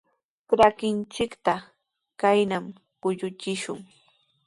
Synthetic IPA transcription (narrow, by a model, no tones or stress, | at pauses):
pɾakɪnt͡ʃɪkt̪a | kajnam | kʊʎʊt͡ʃɪʃʊŋ